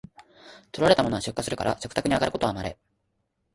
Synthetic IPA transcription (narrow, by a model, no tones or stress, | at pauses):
t̪oɾoaɾe̞t̪amo̞no̞aɕɨkːasɨɾɯ̟ka̰ɾa̰ɕokɯ̟t̪akɯ̟ɲ̟iaɡaɾɯ̟ko̞t̪o̞amaɾe̞̰